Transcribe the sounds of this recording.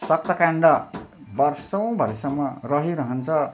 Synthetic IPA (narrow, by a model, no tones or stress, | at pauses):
sʌk̚t̪ʌkaɳɖʌbʌrsʌw̃bʱʌɾesʌmːʌrʌɦiɾʌɦʌnt͡sʰʌ